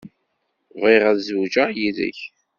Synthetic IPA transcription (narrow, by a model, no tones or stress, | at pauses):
viʁæðzud͡ʒəjiðə̰ç